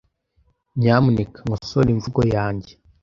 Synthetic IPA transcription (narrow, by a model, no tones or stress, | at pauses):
ɲaːmunikaŋosoliɱvuɡojaːɲɟe